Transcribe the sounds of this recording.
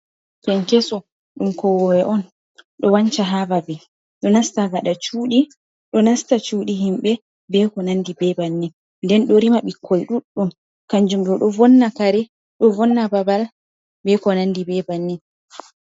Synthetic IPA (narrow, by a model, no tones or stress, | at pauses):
pɛnkɛsɔ | ɗumkɔwɔwɛʔɔn | ɗɔwaɲt͡ʃaɦababɛ | ɗɔnastaɡaɗat͡ʃuːɗi | ɗɔnastat͡ʃuːɗiɦimɓɛ | bɛkɔnandibɛbanːɛ | ndɛnɗɔɾimaɓikʰːɔjɗuɗːum | kaɲd͡ʒumɗɔɗɔvɔnːakaɾɛ | ɗɔvɔnːababal | bɛkɔnandibɛbanːɛ